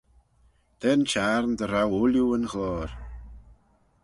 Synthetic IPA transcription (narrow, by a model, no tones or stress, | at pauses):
d̪̥ɛnt͡ʃaɾnd̪əɾawʊljuənɣɔːɾ